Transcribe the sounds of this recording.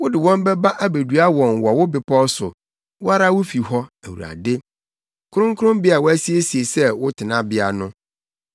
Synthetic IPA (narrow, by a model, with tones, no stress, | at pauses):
wʊ˦dɪ˨wɔ̃˦m˦bɛ˦ba˦ʔa˦be˨du˨a˦wɔ̃˨nwɔ˨wʊ˦bɪ˨pʰɔ˦sʊ˨ | wʊ˦a˦ɾa˦wʊ˦fi˨hɔ˦æ˨wṵ˨ɾa̰˨dɪ˦ | kʰʊ˦ɾʊ̃˦ŋkʰʊ˦ɾʊ̃˦mbɪ˦a˨wʊ˦æ˦si˦e˦si˨e˨sɛ˦wʊ˦tʰɪ˨nã˦bɪ˦a˨nʊ̃˦